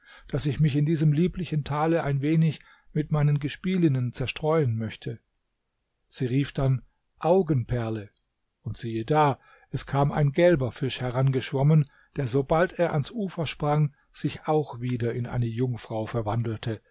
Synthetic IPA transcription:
d̥asɪçmɪçɪndiːzəmliːplɪçn̩tʰaːləʔaɪnveːnɪç | mɪtmaɪnənɡəʃpiːlɪnənt͡sɛɐʃtʁ̥ɔʏənmœçtʰə | z̥iːʁiːfd̥an | ʔaʊɡənpʰɛɐlə | ʊntz̥iːədaː | ʔɛskʰaːma̰ɪnɡɛlbɐfɪʃhɛʁanɡəʃv̥ɔmən | d̥eːɐzobalteːɐʔansʔuːfɐʃpʁ̥aŋ | z̥ɪçaʊxv̥iːdɐɪnʔa̰ɪnəjʊŋfʁ̥aʊfɛɐvandl̩tʰə

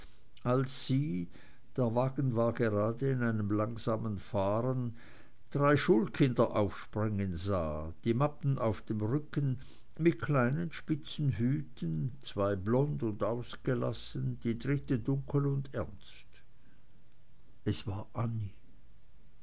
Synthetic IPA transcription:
ʔalsːiː | d̥eːɐvaːɡn̩vaːɐɡeʁaːdəɪnaɪnəmlaŋzaːmənfaːʁən | d̥ʁaɪʃuːlkʰɪndɐʔaʊfʃpʁ̥ɪŋənza̰ːd̥iːmapn̩ʔaʊfd̥eːmʁʏkən | mɪt̚kʰl̥aɪnənʃpɪt͡sn̩ɦyːtənt͡sv̥aɪblɔndʊndaʊsɡ̥əla̰sənd̥iːdʁɪtədʊŋkʰəlʊndɛɐnst | ɛsv̥aːɐʔani

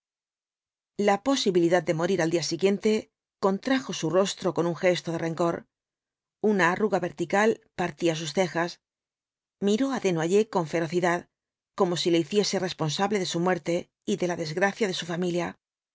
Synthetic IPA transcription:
lapo̞siβiliðað̚d̪e̞mo̞ɾiɾald̪iasiɣje̞nt̪e̞ | ko̞nt̪ɾaxo̞suro̞st̪ɾo̞ko̞nuŋxe̞st̪o̞ðe̞re̞ŋko̞ɾ | unaːruɣaβe̞ɾt̪ikalpaɾt̪ias̬ust̪e̞xas | miɾo̞aðe̞nwaʝe̞ko̞ɱfe̞ɾo̞θiðað | ko̞mo̞sileiθje̞se̞re̞spo̞nsaβle̞ðe̞sumwe̞ɾt̪e̞ | iðe̞laðe̞zɣɾaθjaðe̞sufamilja

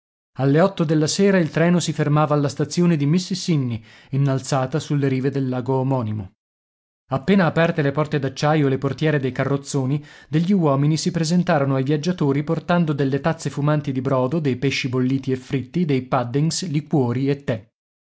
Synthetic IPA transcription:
alːeɔt̪ːod̪elːaseːɾailt̪ɾɛːnosifermaːvaːlːast̪at̪sːjoːned̪imisːsinːi | inːalt̪saːt̪asulːeɾiːved̪elːaːɡoːmɔːnimo̰ | apːeːnaːpɛrt̪elepɔrt̪ed̪at͡ʃːajoeleport̪jɛːɾed̪ejkarːot̪sːoːnid̪eʎːiwɔːminisipɾezent̪aːɾonoajvjad͡ʒat̪oːɾiport̪and̪od̪elːet̪at̪sːefumant̪id̪ibɾɔːd̪od̪ejpeʃːibolːiːt̪iefːɾit̪ːid̪ejpad̪ːiŋslikwɔːɾiet̪ːɛ

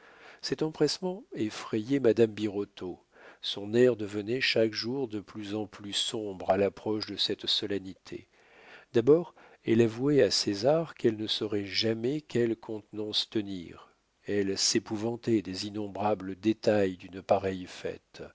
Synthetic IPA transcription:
sɛt̪ɑ̃pχɛsmɑ̃efχejɛmad̪ambiʁot̪o | sɔ̃nɛʁd̪əvənɛʃakʒuʁd̪əplyzɑ̃plysɔ̃bʁalapχɔʃd̪əsɛt̪sɔlɛnit̪ʰḛ | d̪abɔʁ | ɛlavuɛasezaʁkɛlnəsɔʁɛʒamɛkʲɛlkʰɔ̃t̪nɑ̃st̪ənḭʁ | ɛlsepuvɑ̃t̪ɛd̪ezinɔ̃bʁabləd̪et̪ajd̪ynpaʁɛjfɛ̰t̪

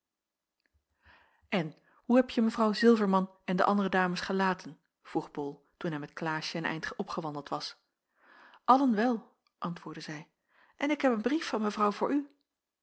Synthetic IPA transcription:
ʔɛn | huɦɛpjəməvrɑwzɪlˠvəɹmɑn | ɛndə̰ʔɑndərədaːməsχəlaːtʰən | v̥ruχbɔlˠ | tunɦɛjmɛtklaːʃəənɛ̰jntχɔpχəʋɑndəlˠtʋɑs | ʔɑlənʋɛlˠ | ʔɑntʋʊːɹdəzɛj | ʔɛnɪkɦɛpənbrifːɑnməvrɑwvʊːɹy

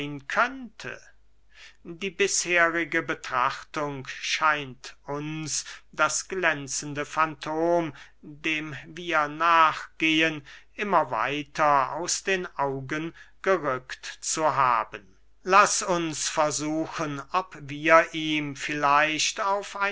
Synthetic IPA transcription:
ɪnkʰœntʰə̰ | diːbɪsheːʁɪɡəbətʁ̥a̰χtʊŋʃaɪntʰʔʊnsd̥asɡ̥lɛnt͡sən̩dəfantʰoːm | deːmviːɐnaːχɡ̥eːənʔɪmɐva̰ɪtʰɐa̰ʊsd̥eːnʔaʊɡənɡ̥əʁʏktt͡suɦa̰ːbən | lasʊnsfɛɐzuːxənɔpviːɐʔiːmfɪlaɪʃtaʊfaɪ

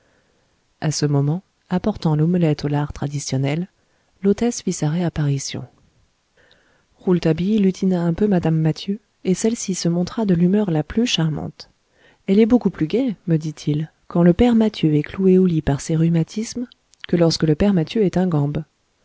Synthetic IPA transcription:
asəmɔmɑ̃ | apɔʁt̪ɑ̃loməlɛt̪olaʁt̪χad̪isjɔnɛl | lot̪ɛsfisaʁeapaʁisjɔ̰̃ | ʁult̪abilyt̪ʰinaɛ̃pømad̪amːat̪ʰjø | esɛlsisəmɔ̃t̪χad̪əlymœʁlaplyʃaʁmɑ̰̃t̪ | ɛlɛbokuplyɡʲɛməd̪it̪ʰil | kɑ̃ləpɛʁmat̪jøɛklueolipaʁseʁymat̪ʰism | kəlɔʁskələpɛʁmat̪jøɛt̪ɛ̃ɡɑ̃b

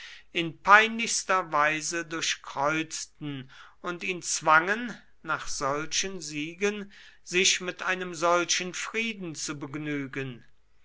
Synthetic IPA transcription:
ʔɪnpʰaɪnlɪçstɐvaɪzədʊɐʃkʁ̥ɔʏt͡stn̩ | ʊntiːnt͡sv̥aŋənː | aːχz̥ɔlʃənziːɡən | zɪʃmɪtʔaɪnəmzɔlʃənfʁ̥iːdn̩t͡subəɡnyːɡən

